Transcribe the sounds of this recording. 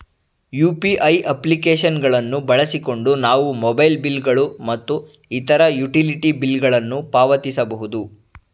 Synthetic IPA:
juːpiʔɐjʔɐplikeːʃɐnɡɐɭɐnːubɐɭɐsiko̞ɳɖunaːʋumɔbɐjlbilɡɐɭumɐt̪ːu | it̪ɐɾɐjuʈiliʈibilːɡɐɭɐnːupaːʋɐt̪isɐbɐɦud̪u

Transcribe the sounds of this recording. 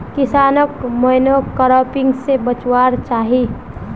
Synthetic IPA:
kɪsaːnəkməɪnokəɾɔːpɪ̃ŋɡsebət͡ʃwaːɾt͡ʃaːɦi

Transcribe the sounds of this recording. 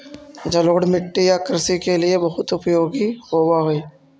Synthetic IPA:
d͡ʒɐloːɽmɪʈːijakɪɾsikeliebɐɦʊt̪ʊpjoːɡiɦoːwaɦoiː

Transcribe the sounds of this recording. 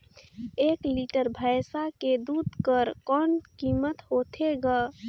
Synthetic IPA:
eːkliʈəɾbʱəjsaked̪uːd̪ʱkəɾkɔːnkiːmət̪ɦot̪ʰeɡa

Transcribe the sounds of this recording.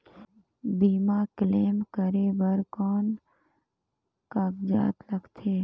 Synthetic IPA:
biːmakleːmkəɾebəɾkɔːn | kakd͡ʒa̰ːt̪ləɡt̪ʰeː

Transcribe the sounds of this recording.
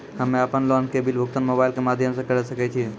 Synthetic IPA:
ɦɐmẽɐpənlɔːnkebɪlbʱʊk̚t̪ənmoːbaːɪlkemaːd̪ʱjəmsekɐɾesɐket͡ʃʰi

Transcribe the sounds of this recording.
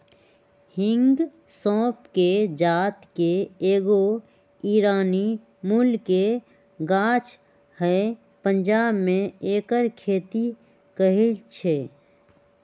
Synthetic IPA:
hɪ̃ŋɡ | sɔ̃ːpked͡ʒaːt̪keeːɡo | iɾaːni | mulke | ɡaːt͡ʃʰ | hə | pənd͡ʒaːbmẽeːkəɾkʰeːt̪i | kəɦilt͡ʃʰeː

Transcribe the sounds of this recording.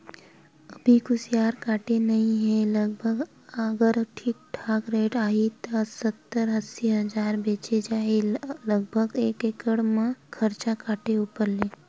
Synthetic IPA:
əbʱikʊsjaːɾkaːʈenəɦĩɦɛ̃ləɡ̚bʱəɡ | əɡəɾʈʰiːk̚ʈʰaːɡɾeːʈaːɦit̪əsət̪ːəɾɦəsiɦəd͡ʒaːɾbẽːt͡ʃed͡ʒaːeləɡ̚bʱəɡeːkeːkəɽmãkʰəɾt͡ʃakaːʈeupəɾleː

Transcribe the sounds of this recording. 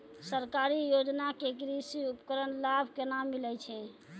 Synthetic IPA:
səɾkaɾijod͡ʒnakek̬ɾisiupkəɾənlabʱkenamːilɛjt͡ʃʰɛ

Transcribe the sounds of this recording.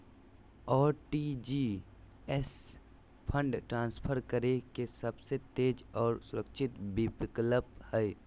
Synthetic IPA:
ɔːɾʈiːd͡ʒiː | ɛs | pʰə̃ɳɖʈɾãːnspʰəɾkəɾekesəbset̪eːd͡ʒɔːɾsʊɾəkʃʰɪt̪bɪpɪkləphɛe

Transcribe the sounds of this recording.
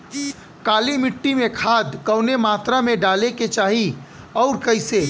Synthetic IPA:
kaːlimɪʈːimẽkʰaːd̪kəʊnemaːt̪ɾamẽɖaːleket͡ʃaːɦi | ɔʊɾkəɪse

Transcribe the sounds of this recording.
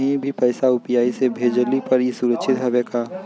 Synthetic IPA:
ɦĩbʱipɐɪsaʊpjaːisebʱeːd͡ʒəlipɐɾisuɾəkʃʰɪt̪ɦɐbekaː

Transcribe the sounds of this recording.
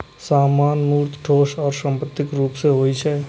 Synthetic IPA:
saːmaːnmuːɾt̪ʰʈʰoːʃɔːɾsə̃mpət̪ːɪkɾuːpseɦoːit͡ʃʰɛː

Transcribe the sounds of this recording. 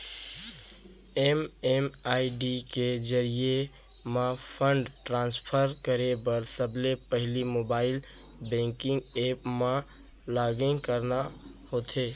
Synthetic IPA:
ememaːiɖiked͡ʒəɾie | mãpʰəɳɖʈɾãːnspʰəɾkəɾebəɾsəblepəɦlimoːbaːɪl | bɛ̃ːŋkɪ̃ŋɡeːpmã | laːɡẽkəɾna | hoːt̪ʰeː

